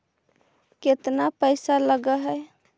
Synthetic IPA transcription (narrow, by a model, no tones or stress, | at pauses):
ket̪napəɪsaləɡəɦɛ